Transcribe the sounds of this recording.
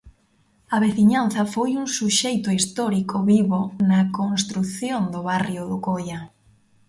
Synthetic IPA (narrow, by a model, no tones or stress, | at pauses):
ɐβeθiɲan̟θɐfojuŋsuʃejt̪ʊist̪ɔɾikʰʊβiβonakonst̪ɾuθjond̪ʊβarjʊðʊkoja